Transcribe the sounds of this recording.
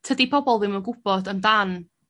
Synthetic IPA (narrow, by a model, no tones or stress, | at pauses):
tʰədipʰɔbɔlˠvɪməɡʊb̥ɔdəndan